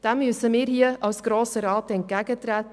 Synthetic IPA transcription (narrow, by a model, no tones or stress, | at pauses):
d̥ɛmːysəmiːɾhiəʔɑlsɡ̥ɾoːsəɾɑːtɛnt̚ɡ̥æːɡətɾɛːt